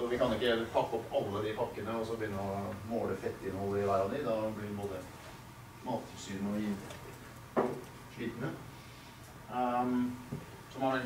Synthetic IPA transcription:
ɔʋɪkɑnɪkːəpʰɑkːɔpːɑlːəɑd̪ɪpʰɑkːənəɔsɔbəjʏnːəɾɔmoːɽəfɛt̪ːɪnhɔlːəɪʋæɾɑnɪd̪ɑblɪʋboːd̪ə | mɑːt̪ʰsyːɾnɔɪn | ʂɭiːt̪ənə | sɔmɑɾ

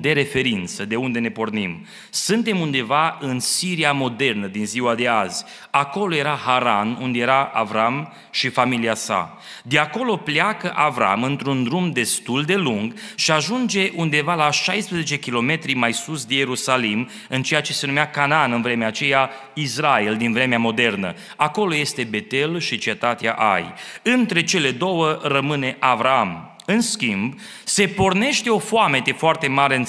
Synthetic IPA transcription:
d̪e̞ɾe̞fe̞ɾint̪səd̪e̞und̪e̞ne̞po̞rnim | sɨnt̪e̞mund̪e̞vaɨnsiɾiamo̞d̪e̞rnəd̪inziwad̪e̞azʲ | ako̞lo̞je̞ɾahaɾanund̪eje̞ɾaʔa̰vɾam | ʃifamiliasa̰ | d̪eako̞lo̞pleakəʔavɾa̰mɨnt̪ɾund̪ɾumd̪e̞st̪uld̪e̞luŋɡʃiaʒund͡ʒe̞ʔund̪e̞valaʃajspɾezet͡ʃe̞kʲilo̞me̞t̪ɾimajsusd̪eje̞ɾusalim | ɨnt͡ʃe̞jat͡ʃe̞se̞numeakanaanɨnvɾe̞meat͡ʃe̞ja | israeld̪invɾe̞meamo̞d̪e̞rnə̰ | ako̞lo̞je̞st̪e̞be̞t̪e̞lʃit͡ʃe̞t̪at̪ea̰ʔa̰jɨnt̪ɾe̞t͡ʃe̞le̞d̪o̞wərəmɨne̞ʔavɾaam | ɨnskʲimb | se̞po̞rne̞ʃt̪e̞o̞foame̞t̪efoart̪e̞maɾeɨn

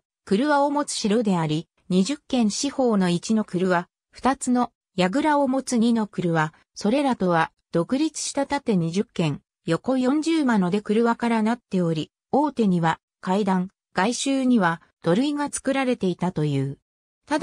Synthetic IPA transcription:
kɯ̟ɾɯ̟βaomo̞t͡sɨ̥ɕiɾo̞d̪e̞aɾʲi | ɲ̟iʑɨkːẽ̞ɰ̃ɕiho̞ːno̞it͡ɕino̞kɯ̟ɾɯ̟βa | ɸɯ̥t̪at͡sɨno̞ | jaɡɯ̟ɾao̞mo̞t͡sɨɲ̟ino̞kɯ̟ɾɯ̟βa | so̞ɾe̞ɾat̪o̞βa | d̪̥o̞kɯ̟ɾʲit͡sɨ̥ɕi̥t̪at̪at̪e̞ɲ̟iʑɨkːẽ̞ŋ | jo̞ko̞jõ̞ɲ̟d͡ʑɨːmano̞d̪e̞kɯ̟ɾɯ̟βakaɾanat̪ːe̞o̞ɾʲi | o̞ːt̪e̞ɲ̟iβa | kaid̪ãŋ | ɡ̥aiɕɨːɲ̟iβa | d̪̥o̞ɾɯ̟iŋat͡sɨ̥kɯ̟ɾaɾe̞t̪e̞it̪at̪o̞jɯ̟ː | t̪ad̪

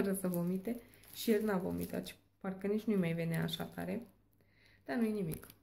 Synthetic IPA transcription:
əɾəsəvomit̪eʃielnavo̰mḭt̪a̰t͡ʃ | parkənit͡ʃnujmajveneaːʃa̰t̪a̰ɾe | d̪̥anujenimḭk

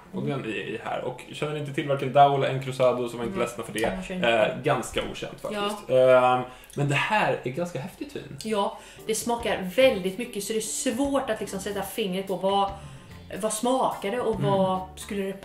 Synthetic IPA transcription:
ʔɔɡd̪ɛnɪ̰hæ̰ːɾɔ̰kɕɛnːəɾɪnt̪ət̪ʰɪlvæɾkand̪aʊlɛnkʰɾʉsaːd̪ʊsɔmvaɪnt̪əlɛsnafœɖɛ | ɡanskaʔṵːɕɛ̰nt̪faktɪst̪ | mɛnd̪ɛhæːɾæɾɡanskaɦɛft̪ɪt̪ʰvḭːnjɑː | d̪̥ɛsmɑːkaɾvɛld̪ɪt̪mʏkːəsɔd̪ɛsvoːʈat̪lɪksɔmsɛt̪ːafɪŋːɾət̪pʰɔva | vasmɑːkad̪ɛʔɔvaskɵlːəd̪ɛ

